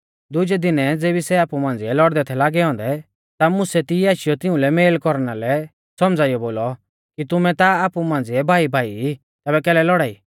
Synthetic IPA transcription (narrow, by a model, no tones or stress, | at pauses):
d̪ʊd͡ʒɛd̪ɪnɛd͡zeːbisɛaːpumãːn̆d͡ziɛlɔɽd̪ɛt̪ʰɛlaːɡɛɔ̃ːnd̪ɛ | t̪amʊsɛt̪iiaːʃɪjɔt̪ɪ̃ʊ̃lɛmeːlkɔɾnalɛ | sɔmd͡zaːijɔboːlɔ | kit̪ʊmɛt̪aaːpumãːn̆d͡ziɛbʱaːibʱaːii | t̪ɛːbɛkɛːlɛlɔɽaːiː